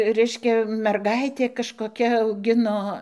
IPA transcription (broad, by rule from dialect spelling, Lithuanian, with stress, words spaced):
ˈrʲɛɪʃʲkʲɛ mʲɛrˈɡɐɪtʲeː kɐʃkoːˈkʲɛ ɐʊˈɡʲɪnoː